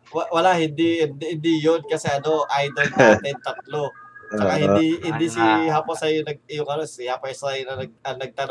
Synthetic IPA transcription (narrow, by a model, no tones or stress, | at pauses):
wɐwɐlahɪnd̪ind̪hɪnd̪ijonkɐsɛʔɐno̞ʔajd̪olajt̪ɛd̪̚t̪ɐt̪̚lo̞t͡ʃɐkahɪnd̪ihɪd̪isiɦaːposɐjonɐɡ̚ɪjʊŋʔɐnosɪhapɐjsɐjonɐnɐɡɐnɐɡ̚t̪ɐn